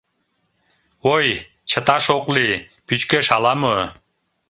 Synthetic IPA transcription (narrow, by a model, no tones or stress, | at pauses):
oj | t͡ʃʰə̆t̪ɑʃoqli | pyt͡ʃkøʃɑlˠɑmə